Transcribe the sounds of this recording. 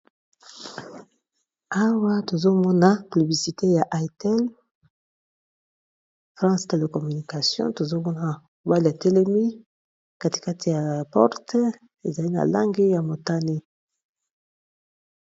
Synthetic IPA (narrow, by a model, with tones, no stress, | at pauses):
a˦wa˦to˨zo˦mɔ˦na˨py˨bli˨si˨te˦ja˨ʔa˨tɛ˦l | fʁɑ̃˦ste˨le˨kɔ˨my˨ni˨ka˨sjɔ̰̃˦to˨zo˦mɔ˦na˨mo˨ba˦li˨ja˨tɛ˦le˦mi˦ | ka˦ti̥˨ka˦tʰi˨ja˨pɔ̰˦ʁte˦ | e˨za˨li˦na̰˨la̰˦ŋɡi˦ja˨mo˨ta˦ni˦